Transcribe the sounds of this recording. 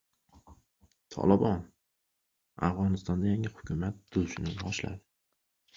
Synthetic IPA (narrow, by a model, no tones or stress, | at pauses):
t̪ʰɒ̰lˠɪbɒn | a̰fʁɒnɪst̪ɒnd̪ajaŋɪhʊ̥kʰʲʊmat̪̚d̪ʊlʃɪnɪnɒʃla̰d̪ɪ